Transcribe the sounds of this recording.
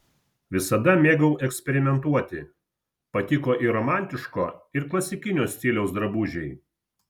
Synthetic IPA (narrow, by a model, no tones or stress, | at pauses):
ʋʲɪsɐd̪ɐmʲeːɡɐʊʔɛksʲpʲɛɾʲɪmʲɛnt̪uɔt̪ʲɪ | pɐt̪ʲɪkoːʔiɾoːmæˑnʲt̪ʲɪʃkoːɪɾklˠɐsʲɪkʲɪnʲoːsʲt̪ʲɪlʲɛʊsd̪ɾɐbuːʒʲɛɪ